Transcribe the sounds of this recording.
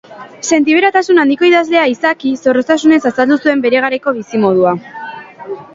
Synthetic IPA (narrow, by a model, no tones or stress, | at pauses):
se̞nt̪iβeɾat̪asunand̪iko̞iðazle̞aisakiso̞ɾo̞st̪asune̞sasald̪usue̞mbe̞ɾe̞ɣ̞aɾeko̞β̞isimo̞ðua